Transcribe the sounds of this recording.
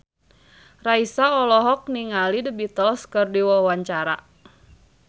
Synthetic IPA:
raisaɔlɔɦɔk̚niŋalidəbit̪ɔlskɨrdiwɔwaɲt͡ʃaɾa̰

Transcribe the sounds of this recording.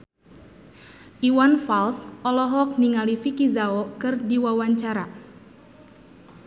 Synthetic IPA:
ʔiwanfalsɔlɔɦɔk̚niŋalifikizaɔkɨrdiwawaɲt͡ʃaɾa

